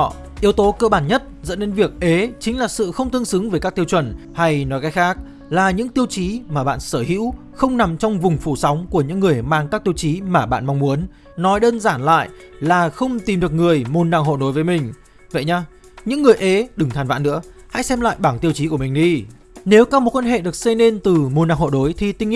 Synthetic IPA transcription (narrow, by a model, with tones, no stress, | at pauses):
ʔi˨˦əwt̪o˨˦kə̰˧˨ɓaː˧˩nɲə˦˥t̚zə̰˧˥nːe˨˧˦nvi˨˩ək̚ʔe˨˦t͡ɕï˨˦ŋ̟laː˨˩sɨ̰˧˨xə˧wŋ͡mt̪ɨ˧ŋsɨ˨˦ŋvəː˨˩jka˦˥k̚t̪i˧ə˧wt͡ɕwə˧˩n | ha˧jnɔ˨˦jkaː˨˦jxaː˦˥k̚ | laː˨˩ɲɨ̰˧˥ŋt̪i˧əwt͡ɕi˨˦maː˨˩ɓa̰ː˧˨nsəː˧˩hḭ˧˥w | xə˧wŋ͡mna˨˩mt͡ɕɔ˧wŋ͡mvʊ˨˩ŋ͡mfu˧˩sa˨˦wŋ͡mku˧˩əɲɨ̰˧˥ŋːɨ˨˩əjmaː˧ŋkaː˦˥k̚t̪i˧əwt͡ɕi˨˦maː˨˩ɓa̰ː˧˨nma˧wŋ͡mmu˨˦ənː | ɔ˨˦jɗəː˧nzaː˧˩nla̰ː˧˨jlaː˨˩xə˧wŋ͡mt̪i˨˩mɗɨ˨˩ək̚ŋɨ˨˩əjmo˨˩nːa̰ː˧˨ŋɦo̰˧˨ɗo˨˦jvəː˨˦jmï˨˩ŋ̟ | və̰˧˨jɲaː˧ | ɲɨ̰˧˥ŋːɨ˨˩əjʔe˨˦ɗɨ˨˩ŋt̪ʰaː˨˩nva̰ː˧˨nɨ̰˧˥ə | ha̰˧˥jsɛ˧mla̰ː˧˨jɓaː˧˩ŋt̪i˧əwt͡ɕi˨˦ku˧˩ə˨mï˨˩ŋ̟ɗi˧ | ne˨˦wkaː˧˦˥mo˨˩t̚kwa˧nɦḛ˧˨ɗɨ˨˩ək̚se˧ne˧nt̪ɨ˨˩mu˨˩na̰ː˧˨ŋho̰˧˨ɗo˨˦jt̪ʰi˨˩t̪ï˧ŋ˧